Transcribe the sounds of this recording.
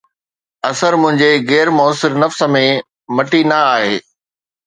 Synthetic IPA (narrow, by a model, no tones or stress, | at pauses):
ɐsəɾmʊ̃ɦɪ̃ɲd͡ʑeɣɛːɾmɔːsɪɾnɐfsə̆mẽ | mɐʈinɐaːɦeː